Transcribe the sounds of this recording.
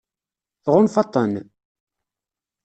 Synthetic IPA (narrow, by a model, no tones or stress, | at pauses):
θʁʊnfɑt̪ˤːən